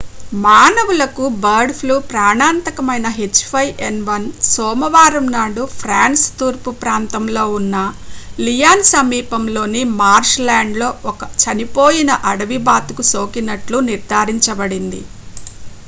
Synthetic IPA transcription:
maːnɐʋulɐkubɐɾɖpʰluːpɾaːɳaːnt̪ɐkɐmɐjnɐɦet͡ʃːpʰɐjʔenʋɐnsɔːmɐʋaːɾɐmnaːɖupʰɾaːnst̪uːɾpupɾaːnt̪ɐmlo̞ːunːɐlijaːnsɐmiːpɐmlo̞ːnimaːɾʃlaːɳɖlo̞ːʔɔkɐt͡ʃɐnipo̞ːjinɐʔɐɽɐʋibaːt̪ukusoːkinɐʈluniɾd̪ʱaːɾiɲt͡ʃɐbɐɽind̪ḭ

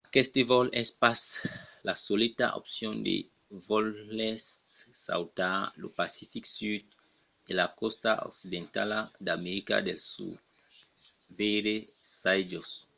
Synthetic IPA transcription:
akɛst̪evɔlɛspaslasolet̪a̰ʔo̰psjõnd̪ḛ | vɔlːɛsːa̰wt̪alopasifiksyd̪ | elakɔst̪ao̰ksid̪ẽnt̪alad̪ameɾika̰d̪elsṵd̪ | veɾesajd͡ʒos

